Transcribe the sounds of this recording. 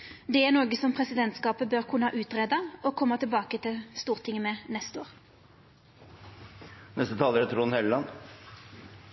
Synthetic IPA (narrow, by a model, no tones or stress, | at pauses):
d̪ɛænoːɡəsɔmpʰʁɛsɪd̪ɛnt̪skɑːpəbøʁkʰʉnəhɑːʔʉːt̪ʁeːd̪ɑɔkʰɔmːɑt̪ʰɪlbɑːkət̪ʰɪlst̪uːʁt̪ʰɪŋəmɛnɛst̪oːʁ | nɛst̪ət̪ʰɑːləɾɛt̪ʰɾunhɛllɑn